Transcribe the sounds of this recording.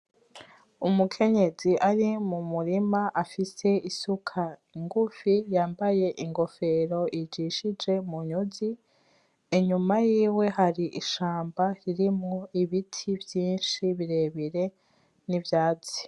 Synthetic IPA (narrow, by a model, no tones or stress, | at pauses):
umukʰe̞ɲe̞ziʔaɾimumuɾimaʔafise̞isukʰaiŋɡufijaːmbaje̞ʔiŋɡo̞fe̞ɾo̞ʔid͡ʒiʃid͡ʒe̞muɲuzi | eɲumajiːwe̞ɦaɾiʔiʃaːmbaɾiɾimŋoiβitʰivjiːnʃiβiɾe̞βiɾe̞ | nivjaːzi̥